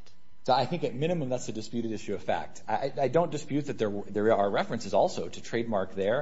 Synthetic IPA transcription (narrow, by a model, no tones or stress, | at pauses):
soʊaɪθɪ̃ŋkɨt̚mɪ̃ɾ̃ɨmə̃mðætsɨdɨspjʉɾɨɾɪʃʉʌv̥fæ̰k̚taʔaɪaɪdõʊ̃nd̥ɨspjʉt̪̚ðɨt̪̚ðə˞ðə˞ə˞ɹɛfɹɨ̃nsɨzɔlˠsoʊɾɨtʰɹ̥eɪd̚mɑɹk̚ðə˞